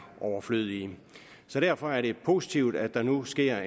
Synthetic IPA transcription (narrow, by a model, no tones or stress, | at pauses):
ʔɒʊɐfløð̰ˠiə | sɒ̽ɾ̥æɐ̰fɒ̽æɐɾe̝pʰo̝si̥t͡sʰiʊd̥æd̥ɑ̈nusɡ̥e̝ɐ̰